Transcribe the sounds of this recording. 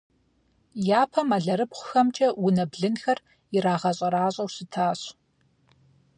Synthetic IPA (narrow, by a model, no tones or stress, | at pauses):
jaːpʰɐmɐɮɐɾɨbχʷxɐmt͡ʃʼɐwʊnɐbɮɨnxɐr | ɪɾaːʁɐɕʼɐɾaːɕʼɐwsɨtʰaːɕ